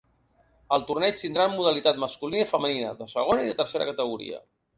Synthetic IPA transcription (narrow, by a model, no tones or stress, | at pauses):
əlˠt̪urnɛt͡ʃt̪ind̪ɾammuðəlit̪at̪məskulinəifəməninəðəsəɣ̞onəiðət̪əɾseɾə̰kət̪əɣ̞uɾḭə̰